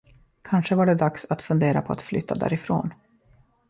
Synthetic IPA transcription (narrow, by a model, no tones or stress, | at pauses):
kʰanʂəvaɖɛd̪aksat̪fɵnd̪eːɾapʰɔat̪flʏt̪ːad̪æ̰ːɾɪfɾo̰ːn